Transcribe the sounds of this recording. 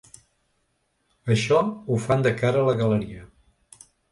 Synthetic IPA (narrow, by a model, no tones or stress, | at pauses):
əʃɔufand̪əkaɾəːləɣələɾiə